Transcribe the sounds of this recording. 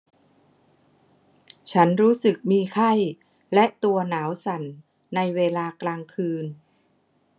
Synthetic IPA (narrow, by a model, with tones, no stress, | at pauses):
t͡ɕʰa˦˥nɾuː˦˥sɯ˨˩k̚miː˧kʰa˥˩j | lɛ˦˥ʔt̪u˧ɐnaː˩˦wsa˩˦nː | a˧jweː˧laː˧klaː˧ŋkʰɯː˧n